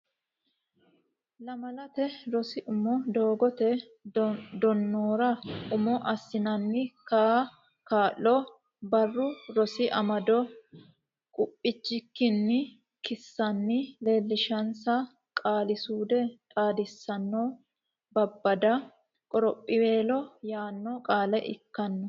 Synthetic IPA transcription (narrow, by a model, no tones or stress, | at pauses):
lɐmɐlɐt̪ɛɾɔsɪʔʊmɔd̪o̞ːɡɔt̪ɛ | d̪ɔnːoːɾɐʔʊmɔʔɐsːɪnɐnːɪka | kaːʔːɔ | bɐrːʊɾɔsɪʔɐmɐd̪ɔ | kʼʊpʼːɪt͡ʃːɪkːɪnːɪ | kɪsːɐnːɪle̞ːlːɪʃɐnsɐ | kʼaːlɪsuːd̪ɛt̪ʼaːd̪ɪsːɐnːɔː | bɐbːɐd̪ɐ | kʼɔɾɔpʼːɪwe̞ːlɔjaːnːɔkʼaːlɛʔɪ̰kːɐnːɔ